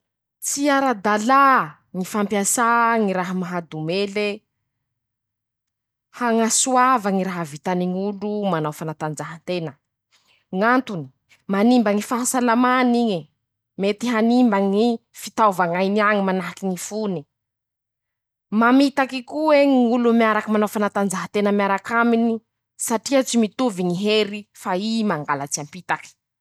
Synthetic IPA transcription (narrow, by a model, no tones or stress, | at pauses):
t͡siaɾad̪ala | ŋifampjasaŋiɾaɦəmaɦad̪umele | haŋasuavaŋiɾaɦavit̪aniŋulumanawfanat̪and͡zaɦant̪enə | ŋant̪uni̥ | manimbaŋifaɦasalamaniɲi | met̪iɦanimbaŋifit̪awvaŋajniaŋimanaɦakiŋifuni | mamit̪akikueŋiŋulumiaɾakəmanawfanat̪and͡zaɦat̪enəmjaɾakamini | saʈ͡ʂiat͡ʃimit̪uviŋiɦeɾifaimaŋɡalat͡siampit̪aki̥